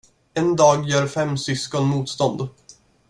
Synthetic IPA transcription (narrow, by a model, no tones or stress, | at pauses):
ɛnd̪ɑːɡjœːɾfɛmːsʏskɔnmuːt̪st̪ɔnd̪